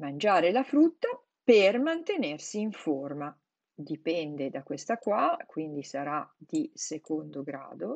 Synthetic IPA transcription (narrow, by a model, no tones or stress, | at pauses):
mand͡ʒaːɾelafɾut̪ːa | permant̪enersiːiɱforma | d̪ipɛnd̪ed̪akwest̪akwakwind̪isaɾad̪isekond̪oɡɾa̰ːd̪o